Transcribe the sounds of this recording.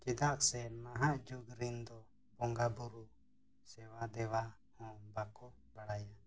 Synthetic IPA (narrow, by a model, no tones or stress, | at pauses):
kid̪aksɛmaɦaʔd͡ʒuɡɾind̪ɔ | bɔŋɡabuɾu | sɛwad̪ɛwahɔ̃bakɔ | baɽaja